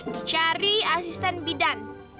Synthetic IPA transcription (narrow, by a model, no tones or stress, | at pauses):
dit͡ʃaɾiasist̪ɛnbidan